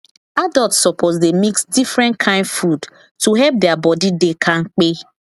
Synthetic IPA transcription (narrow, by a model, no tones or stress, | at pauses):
adɔltssɔpʰozs̬demiksdifɾɛ̃nkʰãɪ̃ndfud | tuɦɛlp̚dɛabɔdidekʰãŋ̩k͡pe